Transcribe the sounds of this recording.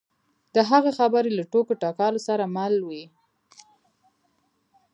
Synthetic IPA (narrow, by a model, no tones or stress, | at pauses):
d̪əɦaɣexabaɾelaʈokoʈɑkɑlosaɾamalwi